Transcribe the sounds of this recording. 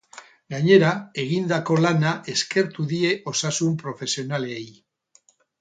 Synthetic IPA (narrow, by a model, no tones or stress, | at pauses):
ɡaɲe̞ɾae̞ɣ̞ind̪ako̞lanaʔe̞ske̞ɾt̪uðie̞ʔo̞sasumpɾo̞fe̞sio̞naleej